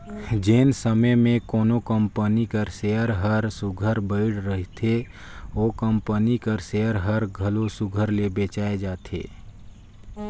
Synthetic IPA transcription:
d͡ʒensəməjmẽkɔːnokəmpənikəɾseəɾɦəɾsʊɡʱəɾbəɪɽɾəɦt̪ʰe | oːkəmpənikəɾseːəɾɦəɾɡʱəlosʊɡʱəɾlebeːt͡ʃaːed͡ʒaːt̪ʰḛː

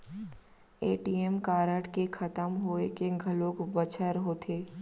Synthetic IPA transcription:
eːʈiːemkaːɾəʈkexʰɐt̪əmɦoːekeɡʱɐlokbɐt͡ʃʰəɾɦoːt̪ʰeː

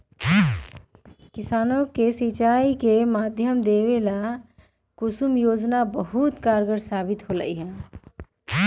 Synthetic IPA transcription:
kisanokesit͡ʃaikemad̪ʱjəmd̪eβela | kusumjod͡ʒnabəɦut̪kaɾɡəɾsabit̪ɦolə̰jɦɛ̃

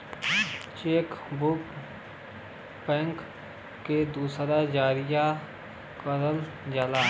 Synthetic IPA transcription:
t͡ʃeːkbʊk | pɛ̃ːŋkː | ed̪uːsɾad͡ʒaːɾɪja | kəɾəl | d͡ʒaːlaː

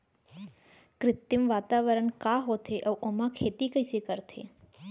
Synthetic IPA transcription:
kɾɪt̪jimʋat̪aʋəɾəɳkaɦot̪ʰeʔəʋʔomãkʰeːt̪ikəjsekəɾt̪ʰḛ

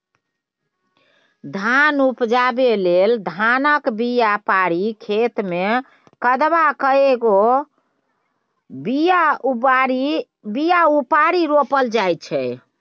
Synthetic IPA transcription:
d̪ʱanupd͡ʒabeleld̪ʱanəkbijapaɾikʰet̪me | kəd̪bakəeɡo | bijaɾi | bijaupaɾiɾopəld͡ʒajt͡ʃʰɛ

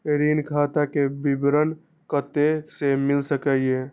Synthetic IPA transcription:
ɾinkʰat̪akebibɾən | kət̪esemɪlsəkəje

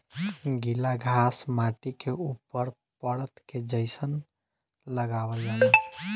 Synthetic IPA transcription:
ɡilaɡʱasmaʈikeupːəɾ | pəɽət̪ked͡ʒəɪsən | ləɡabəld͡ʒalɛ

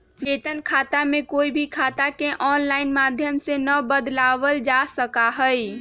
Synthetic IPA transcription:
beːt̪ənkʰaːt̪amẽkoːibʱikʰaːt̪akeʔɔːnlaːɪnmaːd̪ʱjəmsenəbəd̪laːʋəld͡ʒasəkaɦəi

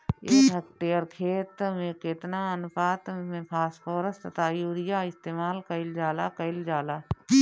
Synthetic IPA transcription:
eːək̚ʈeːəɾkʰeːt̪mẽkɪt̪naːənpaːt̪mẽpʰaːspoːɾəst̪ət̪ʰaːjuːɾɪjaɪst̪eːmaːlkɐɪld͡ʒaːlaːkəɪld͡ʒaːlaː

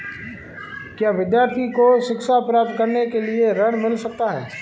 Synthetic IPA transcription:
kjaːʋɪd̪jaːɾt̪ʰikoʃɪkʃapɾaːp̚t̪̚kɐɾnekelieɾɐɽ̃mɪlsɐk̚t̪aɦɛ̰ː

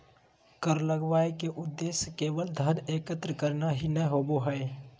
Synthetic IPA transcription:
kəɾləɡʋaːekeʔʊd̪ːeːskeːʋəld̪ʱəneːkət̪ɾəkəɾnaɦinɛɦoːboɦə

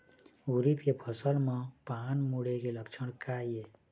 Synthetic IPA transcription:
uɾit̪kepʰəsəlmãpaːnmuɽekeləkt͡ʃʰəɽ̃kaie

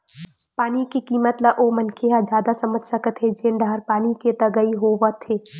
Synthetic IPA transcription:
paːnikikiːmət̪laʔoːmɐnkʰeɦad͡ʒjaːd̪asɐməd͡ʒʱsɐkət̪ɦed͡ʒẽːnɖaːɾpaːniket̪ɐɡəiɦoʋət̪ʰeː

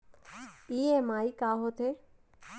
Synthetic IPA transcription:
iːemaːikaːɦot̪ʰe

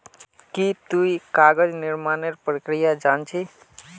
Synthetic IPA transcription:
kit̪uikaɡəd͡ʒniɾmaneɾpɾəkɾijad͡ʒant͡ʃʰi

